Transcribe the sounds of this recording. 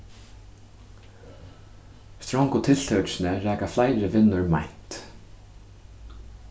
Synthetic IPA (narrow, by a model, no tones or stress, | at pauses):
st̪ɾɔŋkʊt̪ʰɪl̥t̪ʰœsnəɾæːkaflajɾɪʋɪnːʊɹmajn̥t̪